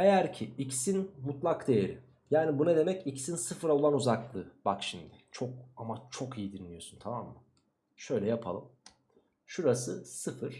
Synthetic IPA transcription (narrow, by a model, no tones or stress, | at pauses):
ejæɾcʰiicsinmut̪lˠakd̪ejeɾɪ̰ | jaːnibunad̪e̞mɛcicsinsɯfɯɾaolˠanuzaklˠɯb̥akʃimd̪ɪt͡ʃʰo̞k̚amat͡ʃʰo̞kijid̪inlːʲijo̞sunt̪ʰamamːɯ | ʃø̞jlʲɛjapʰa̰lˠɯm | ʃuɾasɯsɯfɯɾ̥